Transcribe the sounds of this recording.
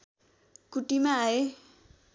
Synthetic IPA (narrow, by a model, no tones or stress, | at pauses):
kuʈimaːe